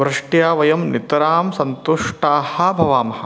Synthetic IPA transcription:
ʋɾɪʂʈjaːʋɐjɐmnit̪ɐɾaːmsɐnt̪uʂʈaːhɐ̆bʱɐʋaːmɐhɐ̆

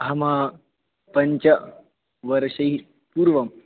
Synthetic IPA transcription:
ɦɐmaː | pɐɲt͡ʃɐ | ʋɐɾɐʃɐɦi | puːɾʋɐm

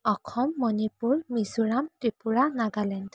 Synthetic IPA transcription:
ɔkʰɔmːɔnipuɹmizuɹamtɹipuɹanaɡalɛnd

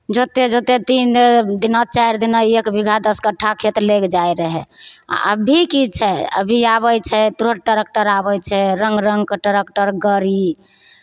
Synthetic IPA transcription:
d͡ʒot̪ed͡ʒot̪et̪ind̪inat͡ʃajɾd̪inaekbiɡʱad̪əskəʈʰːakʰet̪ɾlekd͡ʒajɾəɦɛ̰ə̰bʱikit͡ʃʰɛə̰bʱiaβɛjt͡ʃʰɛt̪uɾəʈ̚ʈəɾək̚ʈəɾabɛjt͡ʃʰɛɾəŋɡɾəŋɡkəʈəɾekʈəɾɡəɾi

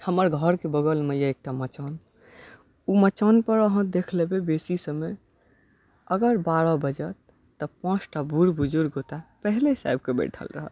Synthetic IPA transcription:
həməɾɡʱəɾkebəɡəlmejaek̚ʈamət͡ʃɔn | umət͡ʃanpəɾəɦə̃d̪ekʰlebebesisəme | əɡəɾbaɽɔbəd͡ʒət̪ː | əpɔ̃t͡ʃʰʈabʱuɾbud͡ʒuɾɡot̪apəɦlesa̰jb̚kebɛ̰ʈʰə̰lɾəɦə̰t̪

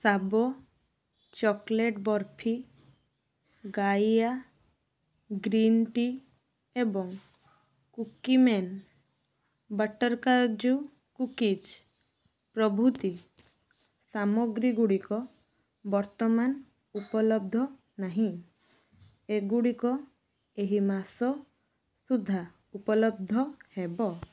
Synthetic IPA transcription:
sabɔ | t͡ʃɔkleʈbɔɾpʰi | ɡaja | ɡɾinʈi | ebɔŋ | kukimen | baʈɔɾkaɾd͡ʒu | kukid͡ʒ | pɾɔbʱut̪i | samɔɡɾiɡuɽikɔ | bɔɾt̪ɔman | upɔlɔb̚d̪ʱɔ | naɦĩ | eɡuɽikɔ | eɦimasɔ | sud̪ʱːa | upɔlɔb̚d̪ʱɔhebɔ

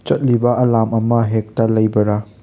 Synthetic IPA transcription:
t͡ʃɐt̚libɐʔɐlamɐmɐɦek̚tɐlɐjbɐɾɐ

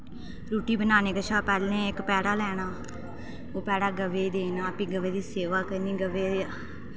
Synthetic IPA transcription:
ɾuːʈiːbənaːneːkət͡ʃʰaːpɛːlẽːɪkpɛːɽaːlɛːɽ̃aː | oːpɛːɽaːɡəʋeːd̪eːnãːpĩːɡəʋeːd̪iːseːʋaːkəɾniːɡəʋeːd̪eːaː

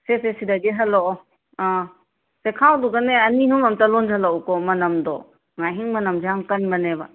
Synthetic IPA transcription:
sesesidaɡeɦɐlɔ | a | sekʰawduɡaneɐniɦumɐmtalɔnd͡ʒalɔwkɔmɐnɐmd̪ɔ | ŋaɦiŋmɐnɐmd͡ʒaŋkɐnbɐneba

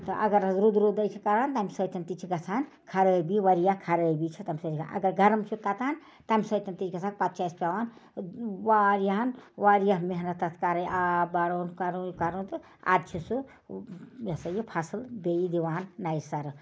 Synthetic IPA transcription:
t̪ɐʔɐ̰ɡəɾzɾud̪ɾod̪əjt͡ʃʰikaɾant̪aːmisət̪ɐnt̪it͡ʃʰiɡɐt͡sʰaːn | kʰaɾəbiʋaɾijakʰaɾəbit͡ʃʰit̪amʲsət͡ʃikʰa̰nʔɐ̰ɡəɾɡʱɐɾəmt͡ʃʰut̪at̪aːn | t̪amisəjt̪ɐnt̪it͡ʃʰɡɐt͡sʰaːkpat̪̚t͡ʃaspʲaʋaːn | waɾjanʋaɾjaɦmeɦnɐt̪ɐt̪ʰkaɾəjʔabaɾoːnkaɾonkaɾont̪ə | a̰d̪t͡ʃʰisu | jesəjepʰasəlbejid̪iʋaːnːajsaɾ

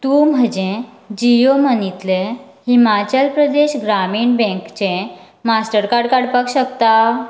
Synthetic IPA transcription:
t̪ũm̤ʱəd͡ʑẽ | d͡ʑijom̤ənit̪le | himat͡ɕəlpɾəd̪eɕɡɾamiːɳbɛ̃ŋkt͡ɕẽ | masʈəɾkaɾɽkaɽpakɕəkt̪a

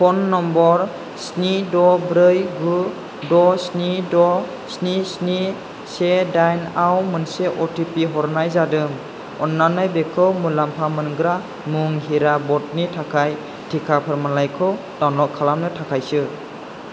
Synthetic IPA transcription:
pʰɔnːɔmbɔɾ | snidɔbɾɯjɡu | dɔsnidɔ | snisni | sedajnawmɯnseʔɔtʰipiɦɔɾnajzadɯŋ | ɔnːanɯjbekʰɯwmulampʰamɯnɡɾa | muŋɦiɾabɔt̚nitʰakʰaj | tʰikʰapʰaɾmalajkʰɯw | dawnɔkʰːalamnɯtʰakʰajsɯ

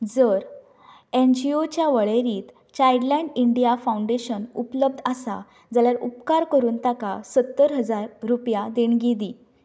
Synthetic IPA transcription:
d͡zəɾ | end͡ʑiot͡ɕjaʋəɭeɾiːt̪ | t͡ɕajɽlɛ̃ɳɖiɳɖijafawuɳɖeɕənupləb̚d̪ʱasa | d͡zaljaɾupkaɾkəɾuːnt̪akasət̪ːəɾɦəd͡zaɾːupjad̪eɳɡid̪i

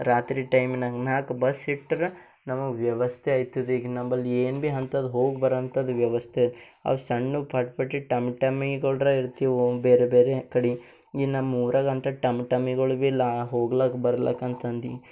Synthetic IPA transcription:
ɾaːt̪ɾiːʈɐjmnɐnaːkbɐsiʈːɐɾ | nɐmɐʋjɐʋɐst̪ʰeɐjt̪id̪iɡnɐmːɐlːieːnbiɦɐnt̪ɐd̪ɦoːɡbɐɾɐnt̪ɐd̪uʋjɐʋɐst̪ʰeɐ̰ʋsɐɳːupʰɐʈpɐʈːiʈɐmʈɐmiɡɐɭɾɐiɾt̪iʋubeːɾebeːɾekɐɽi | inɐmːuːɾɐɡɐnt̪ɐʈɐmʈɐmiɡɐɭʋilaɦoːɡlɐkbɐɾɐlɐ̰kɐnt̪ɐnd̪i

